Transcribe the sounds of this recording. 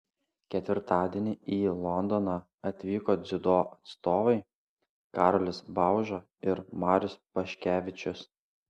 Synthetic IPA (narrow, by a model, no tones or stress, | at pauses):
kʲɛt̪ʲʋʲɪɾt̪ɑːd̪ʲiɛnʲɪiːlˠɔnd̪ɔnɑ | ɐt̪ʲʋʲiːkoːd̪zʲɪd̪oːɐt̪st̪oːʋɐɪ | kɑːɾɔlʲɪsbɑˑʊʒoː | ɪɾmɑːɾʲʊspɐʃʲkʲæːʋʲɪt͡ʃʲʊs